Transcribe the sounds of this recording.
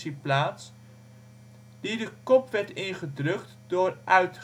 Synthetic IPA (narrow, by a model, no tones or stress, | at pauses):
iplaːts | d̥idəkɔpʋɛɹtɪnχədrɵktd̥ʊːɹʔœɥt